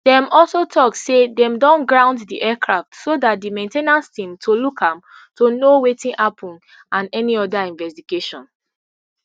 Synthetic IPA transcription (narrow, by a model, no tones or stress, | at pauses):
d̥ɛ̃mɔlsotʰɔk̚sedɛ̃mdɔ̃nɡɹãʊ̃nddiʔɛkʰɹaftsodat̚dimẽntenãnstĩmtʰolukʰãm | tonowetĩnʔapʰɔ̃n | ãnɛniɔdaĩnvɛstiɡeʃɔ̰̃n